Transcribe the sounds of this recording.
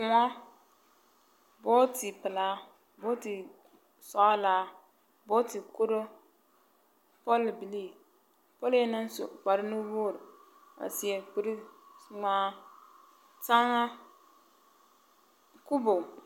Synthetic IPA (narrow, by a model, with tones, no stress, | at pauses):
kʊ˨ŋa˦ | bo˦ti˨pɨ˨laː˦ | bo˦ti˨ | sɔ˨ʔa˦laː˨˦ | bo˦ti˨ku˦ɾo˦ | pɔ˦lbi˨li˦˨ | pɔ˦lna˦n˦so̰˨k͡pa˨ɾɪ˦nu˦boː˦˨ɾɪ˨ | a̰˨si˨ɛ˨k͡pi˨ɾi˦ŋaː˦ | ta˦ŋa˦ | ku˦bo˨